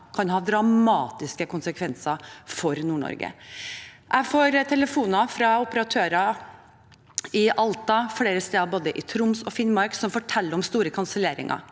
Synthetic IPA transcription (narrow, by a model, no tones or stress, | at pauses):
kʰɑnhɑːd̪ɾɑmɑːt̪ɪskəkʰʊnsəkʰʋɛnsəfɔɾnuːɳɔ̰ɾɡə̰ | ʔæɪfoːɾt̪ʰɛləfuːnɑfɾɑʊpəɾɑt̪ʰøːɾɑ | ɪʔɑlt̪ɑfɽeːɾəst̪eːɑboːd̪əʔɪt̪ʰɾʊmsɔfɪnmɑɾksɔmfɔʈʰɛlːəɾɔmst̪uːɾəkʰʊnsəleːɾɪ̰ŋʔɑ̰